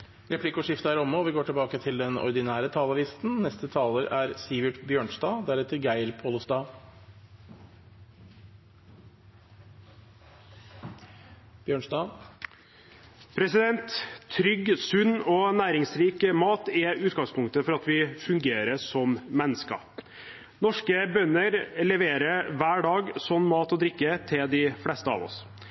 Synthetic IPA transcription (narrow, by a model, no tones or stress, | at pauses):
ɾɛpʰlɪkːɔʂɪft̪əæɾɔmːɔːʋɪɡoːʈʰɪlbɑːkət̪ʰɪld̪ɛnɔ̰ɾd̪ɪnæːɾət̪ʰɑːləʋɪst̪n̩nɛst̪ət̪ʰɑːləɾæɾsiʋɪʈbjøːɳsd̪ɑːd̪æɾɛt̪ʰəɾɡæɪɾpʰoːləsd̪ɑː | b̥jøːɳʂsd̪ɑː | pʰɾɛsɪd̪ɛnt̪t̪ʰɾʏɡːsʉnːɔːnæːɾɪŋsɾiːkəmɑːt̪ɛʉːt̪ɡɑŋspʊŋk̚t̪əfɔɾɑt̪ʋɪfʉŋɡeːɾəʂɔmmɛnːəskɑ̰ | nɔʂkəbœnːəɾlɛʋeːɾəʋæːɖɑːɡsɔnːmɑːt̪ɔd̪ɾɪkːət̪ʰɪld̪ɪflɛst̪əɑ̰ːʋɔ̰s